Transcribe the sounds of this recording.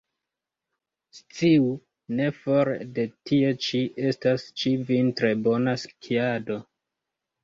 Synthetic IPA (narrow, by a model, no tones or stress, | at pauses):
st͡siu | ne̞fo̞ɾede̞tie̞t͡ʃiʔe̞stast͡ʃivintɾe̞bo̞naskʰiado̞